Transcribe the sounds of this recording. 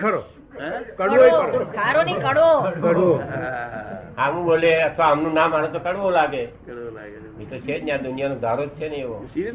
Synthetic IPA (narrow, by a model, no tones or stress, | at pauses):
kəɾo | kəɽʋoekəsaɾonikəɽokəo | ɦãʋũboleət̪ʰʋaəmnũnãmaɽ̃ũt̪okəɽʋolaɡe | mit̪ɾot͡ʃʰenjãd̪ʊnijanõd̪ʱaɾod͡ʒt͡ʃʰeneeʋo